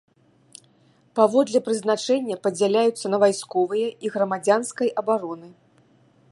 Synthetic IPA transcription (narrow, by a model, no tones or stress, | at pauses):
pavɔd̪lʲɛpɾɨznat͡ʂɛnʲːɐpɐd͡zʲalʲajut̪sːɐnɐvajskɔvɨjɐiɣɾɐmad͡zʲanskɐjɐbaɾɔnɨ